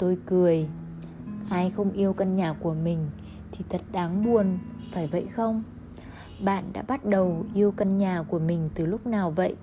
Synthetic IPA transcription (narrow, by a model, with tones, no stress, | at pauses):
t̪o˧jkɨ˨˩əj | haː˧jxə˧wŋ͡mʔi˧əwka˧nɲaː˨˩ku˧˩əmï˨˩ŋ̟ | t̪ʰi˨˩t̪ʰə˨˩t̚ɗaː˨˦ŋɓu˨˩ənfaː˧˩jvə̰˧˨jxə˧wŋ͡m | ɓa̰ː˧˨nɗa̰ː˧˥ɓa˦˥t̚ɗə˨˩wʔi˧əwka˧nɲaː˨˩ku˧˩əmï˨˩ŋ̟t̪ɨ˨˩lʊ˦˥k͡p̚naː˨˩wvə̰˧˨jʔ